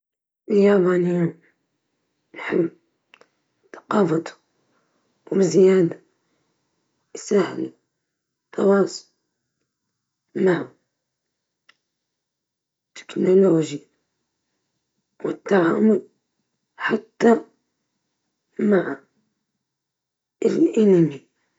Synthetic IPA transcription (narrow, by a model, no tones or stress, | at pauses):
jaːbanɪja | nħɪbː | θɑ̥qɑːfɑt̪u̥ | wbɪzɪjaːd̪a | jsahɪ̰l | t̪ʰːɑwɑːsˤʊ̥l | maʕʊ | t̪ːɪ̥knoloːʒja | wɪt̪ːaʕaːmʊl | ħat̪ːa | maʕa | ɪlʔɪnɪmi